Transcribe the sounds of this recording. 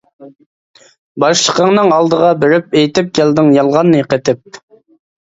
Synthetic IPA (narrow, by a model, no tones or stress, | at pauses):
bɑʃlˠəqəŋnɨŋɑlˠd̪əʁɑbɪɾɪp̚ejt̪ɪp̚kʲɛld̪ɪŋjɑlˠʁɑnːəqət̪ʰɪp̚